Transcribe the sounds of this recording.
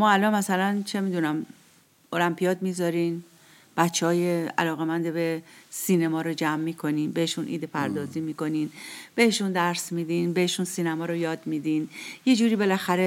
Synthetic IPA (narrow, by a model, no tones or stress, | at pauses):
mɒːælɒnmæsælænt͡ʃʰe̞miːd̪unæm | olæmpʰijɒːd̪miːzɒɾiːn | b̥ætt͡ʃʰːehɒːjeæ̰lɒːɣemænd̪ebesiːnemɒːɾod͡ʒæmːiːkʰo̞niːnbeheʃunʔḭːd̪epʰæɾd̪ɒːziːmiːko̞ninb̥e̞heʃund̪æɾsmiːd̪iːnbeheʃunsiːnæmɒːɾojɒːd̪miːd̪inje̞d͡ʒuːɾiːbe̞læxæɾe